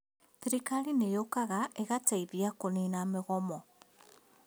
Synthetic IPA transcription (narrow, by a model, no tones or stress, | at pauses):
θiɾikalinejokaɣaʔeɣataiβjakoninameɣɔmɔ